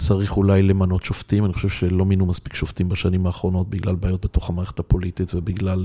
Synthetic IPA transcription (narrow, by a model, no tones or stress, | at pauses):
t͡saʁiχulajle̞mano̞tʃoftimaniχoʃevʃelo̞minumaspi̥kʃoftimbaʃanimaːχʁo̞no̞t̚biɡlalbaːjo̞t̚be̞to̞χhamaːʁeethapo̞lititvebiɡlal